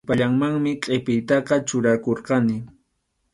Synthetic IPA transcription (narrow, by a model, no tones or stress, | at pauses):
paʎaŋmaŋmɪqʼepɪjt̪ɑqɑt͡ʃʊɾakoɾqɑnɪ